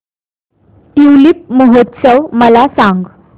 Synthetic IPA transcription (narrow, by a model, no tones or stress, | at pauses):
iwlip̚məɦot̪səwməlasãŋɡ